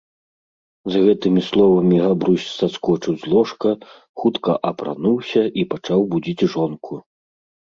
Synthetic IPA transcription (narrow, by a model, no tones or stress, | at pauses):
zɣɛt̪ɨmʲislˠɔvɐmʲiɣabɾusʲsaskɔt͡ʂɨwzlˠɔʂkɐ | xut̪kɐʔɐpɾa̰nuwsʲɐʔipat͡ʂawbud͡zʲit͡sʲʐɔnkʰu